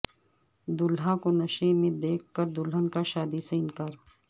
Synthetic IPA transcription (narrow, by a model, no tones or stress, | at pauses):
d̪ʊlɦãkonɐʃemẽd̪eːkʰːəɾd̪ʊlɦənkaʃaːd̪iseɪnkaːɾ